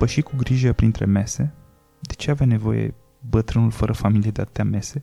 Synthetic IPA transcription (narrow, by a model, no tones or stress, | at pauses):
pəʃikuɡɾiʒəpɾint̪ɾeme̞se̞ | d̪et͡ʃe̞avjane̞vo̞̰jḛ | bət̪ɾɨnulfəɾʔəfamilied̪eat̪ə̥t̪eame̞se̞